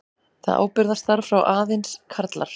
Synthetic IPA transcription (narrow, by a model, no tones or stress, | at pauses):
θa̰ðʔa̰ːwpɪɾðast̪θaɾ̥fɾawʔaːðɪnskʰaɾt̪la̰ɾ̥